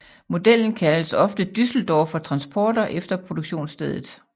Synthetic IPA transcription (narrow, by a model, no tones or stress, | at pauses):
mo̝d̥el̰n̩kʰæləsɒ̽fd̥əd̥ysl̩d̥ɒːfɒ̽t͡sʰʁɑ̈nsb̥ɒːd̥ɐʔefd̥ɐpʰʁo̝d̥oɡ̥ɕo̝̰ːnsd̥eðˠð̩ˠ